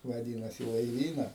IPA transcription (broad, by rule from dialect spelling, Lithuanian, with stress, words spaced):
ʋɐˈdʲiːnɐs iː lˠɐɪˈʋʲiːnɐ